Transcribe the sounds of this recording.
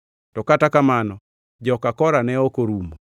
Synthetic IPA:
tɔkatakamanɔ | d͡ʒɔkakɔɾanɛokoɾumo

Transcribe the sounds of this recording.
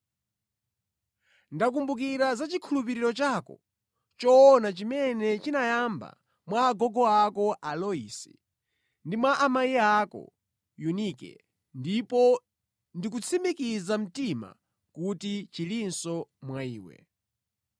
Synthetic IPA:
ndakumbukiɾazat͡ʃikʰulup̬iɾiɾɔt͡ʃakɔ̰ | t͡ʃɔːnat͡ʃimɛnɛt͡ʃinajamba̰ | mwaːɡɔɡɔakɔʔalɔḭːsi̥̰ | ndimwaʔːmaiakɔ̰ | junikɛ̰ | ndipɔ | ndik̬ut͡sʰimikizam̩tima̰ | kutit͡ʃilinsɔmwaiːwɛ̰

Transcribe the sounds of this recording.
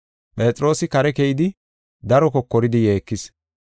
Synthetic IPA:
pʼe̞ːtʼɾo̞ːsɪkɐɾɛkɛjɪd̪ɪ | d̪ɐɾɔkɔkːɔɾɪd̪ɪje̞ːkːɪs

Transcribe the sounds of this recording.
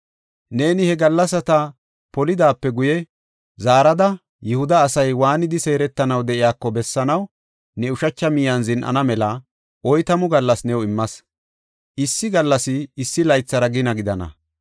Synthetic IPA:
ne̞ːnɪhɛɡɐlːɐsɐt̪ɐ | pɔlɪd̪aːpːɛɡʊjɛ | zaːɾɐd̪ɐ | jʊhʊd̪ɐːsɐjwaːnɪd̪ɪse̞ːɾɛt̪ːɐnɐwd̪ɛʔɪjaːkːɔbɛsːɐnɐw | nɛʊʃɐt͡ʃːɐmɪjɐnzɪnʔɐ̰nɐmɛlɐ | ʔɔjt̪ɐmʊɡɐlːɐsnɛwɔɪmːɐs | ʔɪsːɪɡɐlːɐsɪːsːɪlɐjt͡sːɐɾɐɡɪnɐɡɪd̪ɐnɐ̰

